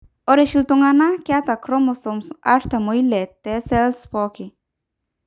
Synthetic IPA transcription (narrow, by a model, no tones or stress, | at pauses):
ɔɾeʃilt̪oŋanakɪat̪akɾɔmɔsɔmsa̰ɾt̪amoilɛt̪ɛsɛlspɔkɪ